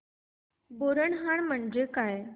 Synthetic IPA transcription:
boɾəɳɦaɳm̤əɳd͡ʑekaj

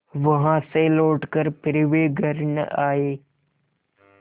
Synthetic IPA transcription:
ʋɐɦãːsẽːloːʈkəɾpɪɾɪʋeɡʱɐɾɪn̰aːɦeː

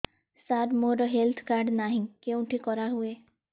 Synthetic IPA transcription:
saɾmoɾɔɦelt̪ʰkaɾɖnaɦĩkeũʈʰikɔɾaɦue

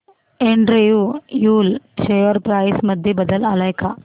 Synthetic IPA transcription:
eːɳɖɾejojuːlt͡ʃʰejəɾpɾaːɪsmɐd̪ʱːjebəd̪əlaːlajkaː

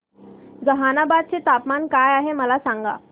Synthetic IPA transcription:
d͡zəɦanabad̪̚t͡set̪apmankajaɦeməlasãŋɡa̰

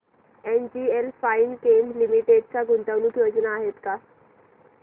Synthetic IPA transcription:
end͡ʑielfainkenɖlimiʈeɖt͡saɡʱunt̪aʋnuːt̪jod͡znaːɦet̪ka

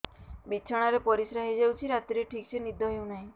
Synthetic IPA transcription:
bit͡ʃʰaɽ̃aɾepɔɾisɾaɦid͡ʒewt͡ʃʰiɾat̪iɾeʈʰiksenid̪ʱɔɦew̃naɦĩ

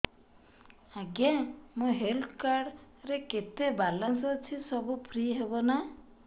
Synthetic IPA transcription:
aɡãmũɦelt̪ʰkaɽ | ɾeket̪ebalɔnsɔt͡ʃʰisɔbupʰɾiɦebɔna

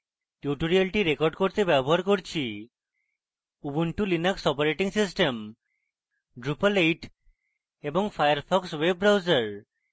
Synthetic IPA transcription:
ʈjuʈoɾialʈiɾekɔɾɖkoɾt̪ebɛboɦaɾkoɾt͡ɕʰi | ubuɳʈulinaksɔpaɾeʈiŋsisʈem | ɖɾupalejʈ | eboŋfajaɾfʰɔkswebːɾawzaɾ

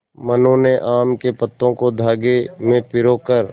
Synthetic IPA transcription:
mənõneʔaːmkepɐt̪ːõkod̪ʱaːɡemẽpɪɾoːkəɾ

